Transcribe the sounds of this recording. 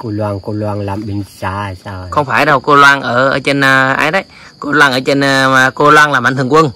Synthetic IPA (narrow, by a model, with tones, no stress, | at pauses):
ko˧lwaː˧ŋko˧lwaː˧ŋlaː˨˩mɓi˨˧˩ŋsaː˧˨˩saː˧wxə˧wŋ͡mfaː˧˩jɗa˨˩wko˧lwaː˧ŋʔəː˧˩ʔəː˧˦t͡ɕe˧nː˧ʔa̰˧jɗə˧˦j | ko˧lwaː˧ŋʔəː˧˦t͡ɕe˧n˧a˨˩ko˧lwaː˧ŋlaː˨˩mʔa˧˩˦t̪ʰɨ˨˩əŋkwə˧ŋ